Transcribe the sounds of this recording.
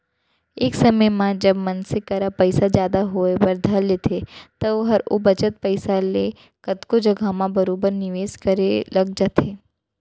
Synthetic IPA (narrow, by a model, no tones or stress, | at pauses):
eːksɐməjmãd͡ʒɐbmɐnsɪkɐɾapɐɪsad͡ʒjaːd̪aɦoebɐɾd̪ʱɐlːeːt̪ʰet̪ɐɦɐɾo̰bɐt͡ʃət̪̚pɐɪsale | kɐt̪kod͡ʒɐɡʱamãbɐɾoːbəɾnɪʋeːskɐɾelɐɡ̚d͡ʒat̪ʰeː